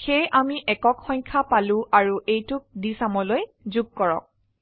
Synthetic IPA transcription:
xejʔamiʔɛkɔkxɔɲkʰapalʊ̃ʔaɹuʔejtʊk̚disamɔloj | zuɡ̚kɔɹɔ̰k̚

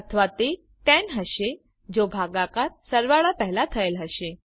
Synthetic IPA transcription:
ət̪ʰəʋat̪e | t̪ɛ̃nɦəʃe | d͡ʑobʱaɡakaɾsəɾʋaɭapəɦlat̪ʰəelɦəʃe

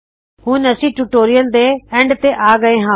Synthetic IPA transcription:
hũːnɐsĩːʈuːʈoːɾɪjəld̪eːẽːɳɖt̪eʔaːɡɐẽɦãː

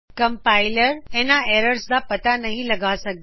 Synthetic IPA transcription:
kəmpailəɾɛ̃naɛːɾəɾsd̪apət̪anɐɦĩlɐɡasəɡ̚

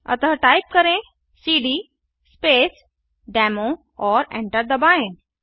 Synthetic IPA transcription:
ə̰t̪əɦʈajp̚kəɾẽ | siːɖi | speːs | ɖɛmo | ɔːɾɛ̰̃ɳʈəɾd̪əbaːẽ

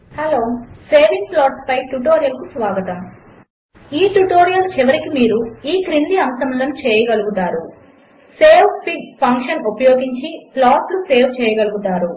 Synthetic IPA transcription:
hɐloːseːʋiŋplɔːɾʈpɐjʈuʈoːɾijɐlkusʋaːɡɐt̪ɐm | iːʈuʈoːɾijɐlt͡ʃɛʋɐɾikimiːɾuiːkɾind̪iɐmsɐmloːnut͡ʃɛːjɐɡɐluɡut̪aːɾu | seːwpiɡpʰɐŋkʂɐnupɐjoːɡiɲt͡ʃiplaːsluse̞ːwt͡ʃɛːjɐɡɐluɡut̪aːɾu

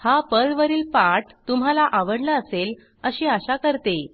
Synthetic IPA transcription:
hapəlʋəɾiːlpaʈt̪um̤alaʔaʋəɽlaəsel | əɕiːaɕakəɾt̪e

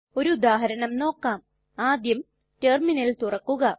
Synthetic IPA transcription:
o̞ɾuud̪aːɦɐɾɐɳɐmno̞ːkːaːm | aːd̪jɐm | terminɐlt̪urɐkːuɣɐ

